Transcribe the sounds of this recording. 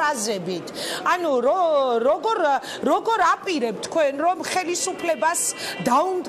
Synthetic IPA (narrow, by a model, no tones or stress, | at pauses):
azɛbit̪ʰanuɾɔɾɔɡɔɾ | ɾɔɡɔɾapʼiɾɛp̚t̪ʰkʰwɛnɾɔmχɛlisupʰlɛbasd̪aumd̪